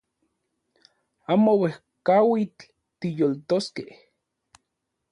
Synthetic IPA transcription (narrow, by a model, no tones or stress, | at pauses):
aːmowehkawit͡ɬ | t̪ijolt̪oskeh